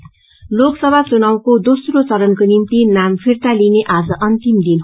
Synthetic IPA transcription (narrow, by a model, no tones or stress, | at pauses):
loksʌbʱat͡sunawkod̪osrot͡sʌɾʌnkonimt̪inampʰirt̪alineʔad͡zʌʔʌnt̪imd̪in